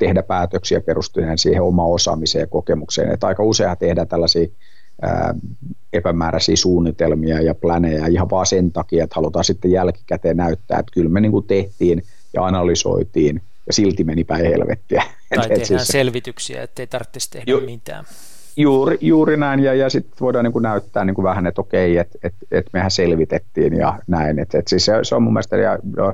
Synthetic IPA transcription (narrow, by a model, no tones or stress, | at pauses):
t̪ehdæpæːt̪øksiɑperust̪ineːnsiːheomɑːosɑ̰ːmisḛːjɑkokemuksḛːnḛt̪ɑikɑuseihɑt̪ehdæt̪ælːæsiː | ə̰ː | epæmæːræsḭːsuːnːit̪elmiɑjɑplænejæihɑʋʋɑːsent̪ɑkiɑet̪hɑlut̪ɑːsit̪ːejælki̥kæt̪eːnnæyt̪ːæ̰ːḛt̪kylmeniːŋkut̪eht̪iːn | jɑ̰ɑnɑlyso̰it̪iːn | jɑsilt̪imenipæihḛlʋḛt̪ːiæ | et̪et̪siselʋit̪yksiæ̰et̪ːeit̪ɑrt̪ːist̪ehmit̪æ̰ːm | juːrijuːrinæinjɑjɑsit̪ːʋoidɑːniŋkunæyt̪ːæːnniːŋkuʋæhænet̪okeiet̪et̪et̪mehæselʋit̪et̪ːiːnjɑ̰næinet̪et̪siseseommumːelst̪ejɑ̰no̰